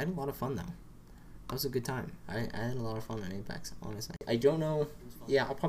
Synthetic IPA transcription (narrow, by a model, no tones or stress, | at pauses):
ɪhɨɾəlɔɾʌv̥fʌ̃nːa̰ʊ | ðæt̚wʌzɨɡʊd̚tʰãɪ̃ma̰ɪa̰ɪɨɾəlɔɾʌv̥fʌ̃nɨ̃nɪ̃npʰæ̰k̚tsɑ̰nɨstˡlḭʔaɪdõʊ̃nːoʊjæaɪlˠpʰɹ̥ɑ